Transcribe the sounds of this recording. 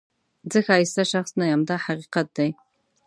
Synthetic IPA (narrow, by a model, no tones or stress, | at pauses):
d͡zɨxaːjsɐʃɐχsnɐjamdaħaqiːqɐt̚dɐj